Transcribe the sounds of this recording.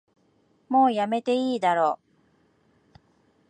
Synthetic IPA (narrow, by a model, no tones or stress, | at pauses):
mo̞ːjame̞t̪e̞iːd̪aɾo̞ː